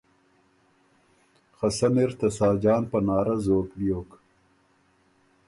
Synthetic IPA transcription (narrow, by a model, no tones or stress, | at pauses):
xɐsɐmeɾt̪ɐsɑːd͡ʒɑːnpɐnɑːɾɐzoːklijoːk